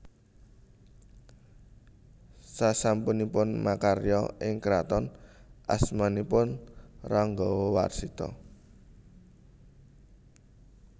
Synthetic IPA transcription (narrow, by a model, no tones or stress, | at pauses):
sasampunipʊnmakaɾjɔʔɪŋkɾat̪ɔnʔasmanipʊnraŋɡɔwowa̰rsit̪ɔ̰